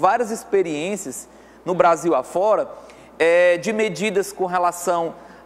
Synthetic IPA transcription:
vaɾiɐzispeɾiẽsiɐs | nʊbɾaziwafɔɾɐ | ɛd͡ʒɪmed͡ʒid̪ɐskõɦelasɐ̃w̃

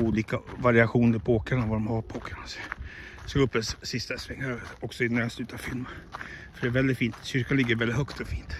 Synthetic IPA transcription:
uːliːkavaɾɪaɧuːnəɾɪpʰoːkaɳavad̪ɔmhaɾpʰoːkʰaɳasɛ | soɡɵpːəsːɪst̪asvɛŋːaɔksɔɪnæɾst̪ʉːt̪ʰavfɪlməfœɖɛæːɾvɛld̪ɪt̪fiːnt̪ɕʏɾkanlɪɡːəɾvɛlɪt̪hœkt̪ɔfiːnt̪

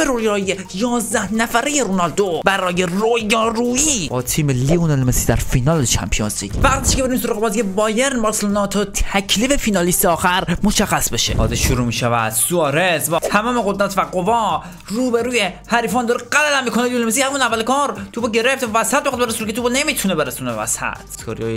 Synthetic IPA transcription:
meɾojɒːje | jɒːzd̪æhnæfæɾejeɾonɒld̪obæɾɒːje̞rojɒːɾuːibɒːt̪ʰiːmelionɑlmesid̪æ̰ɾfinɒːlet͡ʃʰæ̰mpʰio̰nsḭkvæɡt̪ʰi̥ʃkʰeeɾims̬oɾɑːɣebɒːziebɒːjeɾnbɑɾslonɒːt̪ʰot̪ʰæcʰlifefinɒliːst̪eɒːxæɾmoʃæxːæsbeʃḛʔɒ̰zeʃuɾuːmiːʃævæ̰d̪̥suɒːɾezvæt̪ʰæmɒːmeɡo̞d̪ɾæt̪ʰvæɡovɒ | ruːbeɾuːjehæɾiːfɒːnd̪ɒːɾeɡælælæmːiːkʰoneliolemes̬ihæmunævːælekɒɾt̪ʰubɔɟe̞ɾeft̪ævæsæt̪̚beɑd̪beɾesunekʰet̪ʰubɔnemiːt̪ʰunebe̞ɾesuːneevæ̰sæ̰t̪ʰkoɾjːj

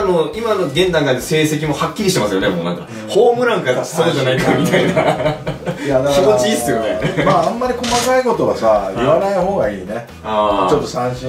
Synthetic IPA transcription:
no̞imanoɡẽ̞nd̪ãŋk̪ãnd̪ese̞ːse̞k̬ʲimo̞hakʲːiɾiɕit̪emasɨjo̞ne̞moːnã̰ŋka | ho̞ːmɯ̟ɾãŋkaɾasoɾod͡ʑanaikaamʲit̪aina | janakʲimo̞t͡ɕiiːsɨjo̞ne̞maːãmːaɾʲiko̞makaiko̞t̪o̞βasaiβanaiɦoːɡaiːne | aːt͡ɕot̪ːo̞sãɰ̃ɕĩ

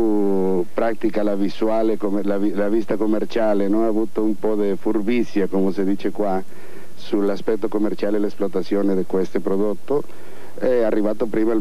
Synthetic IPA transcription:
u | pɾat̪ikalaviswaːlekomlavilavist̪akomːert͡ʃaːlenɔaːvut̪oumpɔd̪efurbisːjakomosed̪iːt͡ʃekwa | sulaspɛt̪ːokomːert͡ʃaːlelesplot̪at̪sːjoːned̪ikwest̪opɾod̪ot̪ːo | ɛarːivaːt̪opɾiːmal

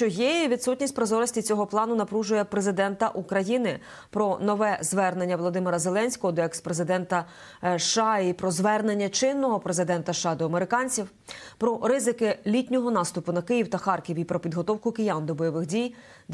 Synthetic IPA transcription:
t͡ʃɔjejiʋʲid̪sutʲnʲisʲt̚ʲpɾɔzɔɾɔsʲtʲit͡sʲɔɦɔplˠɑnʊnɐpɾuʒʊjɛpɾe̞zɪd̪ɛnt̪ɐ̰ʔukɾɐjinɪ | pɾɔnɔʋɛzʋɛrne̞nʲːɐʋlˠɔd̪ɪmeɾɐze̞lˠɛnʲsʲkɔɦɔd̪ɔɛkspɾezɪd̪ɛnt̪ɐ | ʃɑipɾɔzʋɛrne̞nʲːɐt͡ʃɪnːɔɦɔpɾezɪd̪ɛnt̪ɐʃːɑd̪ɔɐmeɾɪkɑnʲt͡sʲiw | pɾɔɾɪzɪkɪlʲitʲnʲɔɦɔnɑst̪ʊpʊnɐkɪjiwt̪ɐxɑrkʲiwʲipɾɔpʲid̪ɦɔt̪ɔwkʊkɪjɑnd̪ɔbɔjɔʋɪxdʲij̪

